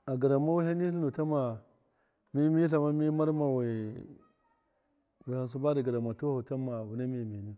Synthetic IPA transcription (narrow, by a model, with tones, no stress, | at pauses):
a˨ɡa˨ɾa˨ma˦wi˦ɦa˦ni˦nu˨ta˦ma˨ | mi˦mi˦ɬa˨ma˦mi˦ma˦ɾma˨we˨ | wi˨ha˨ns̬u˦ba˦di˨ɡa˨ɾa˨ma˨tu˦u˨ta˦ma˨wu˨na˦mi˨mi˨ni˦